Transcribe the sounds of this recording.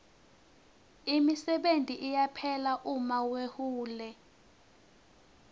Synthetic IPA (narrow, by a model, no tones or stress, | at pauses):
imisɛɓentʼiʔijapʰɛlaʔumawehuːlɛ